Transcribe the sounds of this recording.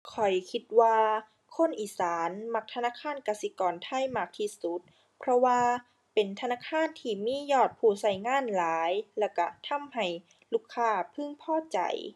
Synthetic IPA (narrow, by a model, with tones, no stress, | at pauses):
kʰɔ˨˩jkʰi˧t̪̚waː˧ | kʰo˧˥˨nʔiː˨˩saː˨˦nma˧k̚t̪ʰa˧naː˧˥˩kʰaː˧˥˨nka˧˩si˧˦kɔː˨˩nt̪ʰa˧˥˨jmaː˧˩k̚t̪ʰi˧su˧˦t̪̚ | pʰɾɔ˧waː˧ | pe˨˩nt̪ʰa˧naː˧˥˨kʰaː˧˥˨nt̪ʰiː˧˩miː˧˥˨jɔː˧˩t̪̚pʰuː˧˩sa˧˩jŋaː˧˥˨nlaː˨˦jlɛː˧˩wka˧˩t̪ʰa˧˥˨mha˧˨˩j | luː˧˥˩kʰːaː˧˩pʰɯ˧˥˨ŋpʰɔː˧˥˩t͡ɕa̰˨˩j